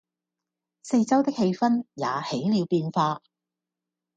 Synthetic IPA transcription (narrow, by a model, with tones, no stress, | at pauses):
se˧jt͡sɐ˥wt̪ɪ˥k̚he˧jfɐ˥nja̰ː˨˧he˨˥jliː˨˧wpiː˧nfaː˧